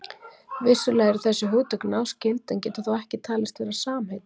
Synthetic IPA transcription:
vɪsːʏlɛːjɣɾɪɾθɛsːʏɦoːt̪œknawscɪlt̪ɛncɛːt̪aθawɛhcɪt̪ʰaːlɪst̪vɛːɾasaːmhejt̪

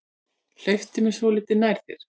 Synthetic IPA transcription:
l̥œɥft̪ɪmɛsɔlɪːt̪ɪnajɾ̥θɪ̰ɾ̥

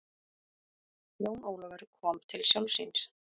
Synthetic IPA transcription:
noːwnoːwlɔvɛɾkʰɔːmt̪ʰɪlsjɔwlsḭns

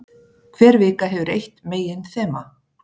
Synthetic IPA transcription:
kʰv̥ɛːɾvɪːkaɦɛvʏɾejht̪meːjɪnθɛːma

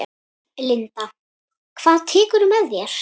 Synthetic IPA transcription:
lɪnt̪a | kʰv̥aːðt̪ʰɪːkʏɾʏmɛðjɛɾ̥

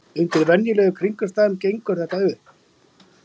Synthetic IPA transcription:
ʏnt̪ɪɾvɛnjɪlɛːɣʏkʰɾiŋkʏst̪aːðʏmcejŋkʏɾ̥θɛht̪ːaʏ

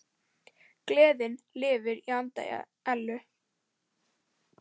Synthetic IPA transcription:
klɛːðɪnlɪːvɪɾiant̪a̰ja̰ | ɛlːʏ

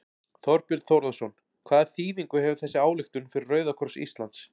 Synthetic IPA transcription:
θɔɾpjʏlt̪θowɾðasɔn | kʰvaːðθiːviŋkʏhɛvʏ̥θɛsːɪaːwlɪxt̪ʏnfɪɾɪrœɥðakʰɔɾsḭst̪lant̪s

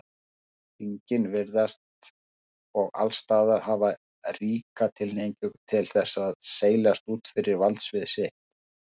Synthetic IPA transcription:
iɲcɪnvɪɾðast̪ | ɔɣa̰lst̪aːðaɾ̥hava | riːkat̪ʰɪlnejɲcʏɣt̪ʰɪlθɛsːaðseːjlast̪uːt̪fɪɾɪɾvalt̪svɪðsɪht̪

